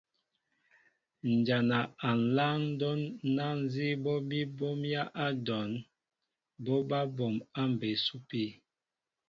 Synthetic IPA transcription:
n̩˨d͡ʒa˨na˨a˨n̩˨la˦ŋ˦dɔ˦nːa˦n˦zi˦bɔ˦bi˦bɔ˦mja˦ʔa˦dɔ˨n | bɔ˦ba˦bɔ˨ma˦m˨be˨su˦pi˦˨

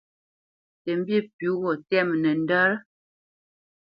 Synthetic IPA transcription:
tɛ˨m̩˦bje˦˨pu˨˦ɣɔ˨tɛ˦˨mnə˨n˦də˦ɾ

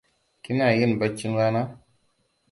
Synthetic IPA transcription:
ki˦n˦a˨ji˦n˨ba˨t͡ʃːi˦ŋwa˦na˦

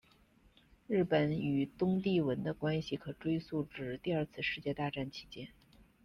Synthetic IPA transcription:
ɻɻ̩˥˩pə˨˩˦ny˨˩t̪ʊ˥ŋt̪̬i˥˩wə˧˥nd̪ə˧kwa˥nɕi˨˩kʰɤ˨˩ʈ͡ʂwe˥ɪsu˥˩ʈ͡ʂɻ̩˨˩t̪i˥˧ɐ˞˥˧t͡sʰɹ̩˥˧ʂɻ̩˥˧t͡ɕjɛ˥˧t̪a˥˧ʈ͡ʂa˥˩nt͡ɕʰi̥˧˥t͡ɕjɛ˥n

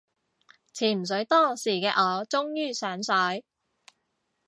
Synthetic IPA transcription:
t͡sʰiː˨˩m̩˨˩sɵ˨˥ɥt̪ɔː˥siː˨˩kɛː˧ʔɔː˨˧t͡sʊ˥ŋjyː˥˩sœː˨˥ŋsœː˨˥j

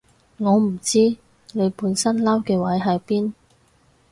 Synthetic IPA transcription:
ŋɔː˨˧m̩˨˩t͡siː˥ | ne˨˧jpuː˨˧nsɐ˥nlɐ˥wkɛː˧wɐ˨˥jɦɐ˨˧jpiː˥n

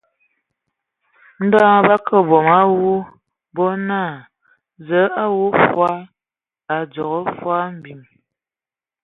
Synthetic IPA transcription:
n̩˦da˦ŋ˦ba˦kʰə˦bɔ˨ma˦wu˦ | bɔ˦na˦˨ | zə˨˦a˦wu˦fwa˦ | a˨d͡zɔ˨ɣɔ˦fwa˦m̩˨bi˨m

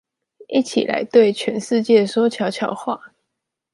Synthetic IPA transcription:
i˥˩t͡ɕʰḭ˨˩lʔa̰˧˥ɪt̪we˥˩ɪt͡ɕʰɥɛ˧˥nʂɻ̩˥˧t͡ɕjɛ˥˩swɔ˥t͡ɕʰjɑ˨˧˥ʊt͡ɕʰjɑ˧˥˦ʊxwa˥˩

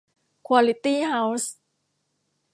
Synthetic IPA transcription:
kʰwa˧li˧t̪i˥ha˧ws

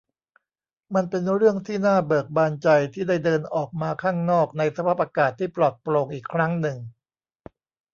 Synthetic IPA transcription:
ma˧npe˧nɾɯ˥˩əŋt̪ʰiː˥˩naː˥˩bɤː˨˩ək̚baː˧nt͡ɕa˧jt̪ʰiː˥˩da˥˩jdɤː˧nʔɔː˨˩k̚maː˧kʰaː˥˩ŋnɔː˥˩k̚na˧jsa˧pʰaː˥˩p̚ʔaː˧kaː˨˩t̪ʰːiː˥˩plɔ˨˩t̪̚pɾoː˧ŋʔiː˨˩kʰːɾa˦˥ŋnɯ˨˩ŋ

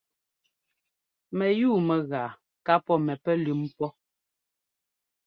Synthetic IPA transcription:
mɛ˨juː˦˨mɛ˨ɣaː˨ | ka˦pɔ˦mɛ˨pɛ˦lʉ˨˦mpɔ˦

